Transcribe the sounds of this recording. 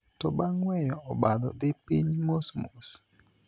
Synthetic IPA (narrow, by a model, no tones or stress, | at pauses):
tɔbaŋwɛjɔɔbadɔ̰d̪ɪpiɲmosmos